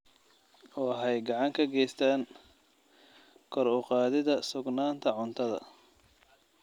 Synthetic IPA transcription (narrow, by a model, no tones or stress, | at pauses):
ɔːɦɛjɡɑʕɑŋkʰɐɡɛjst̪ʰaːn | kʰɔɾʊqɑːðɪðɐsʊɡnaːnt̪ʰɐʕʊnt̪ʰɐðɐ̰